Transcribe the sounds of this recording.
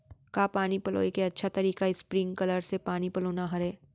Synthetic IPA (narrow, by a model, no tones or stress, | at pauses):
kaːpaːnipɐlo̰ːikeɐtːʃʰat̪ɐɾiːkaɪspɾɪ̃ŋɡ̚kɐləɾsepaːnipɐloːnaɦɐɾeː